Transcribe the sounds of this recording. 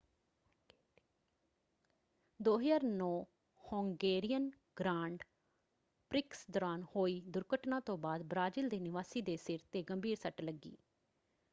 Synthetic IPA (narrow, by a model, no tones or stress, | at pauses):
d̪oːɦd͡ʒaːɾnɔː | hõːŋɡeːɾɪjən | ɡɾaːɳɖ | pɾɪksd̪ɔːɾaːnhoːiːd̪ʊɾkəʈnãːt̪õːbaːd̪bɾaːd͡ʒild̪eːnɪʋaːsiːd̪eːsɪɾt̪eːɡəmbiːɾsəʈləɡːḭː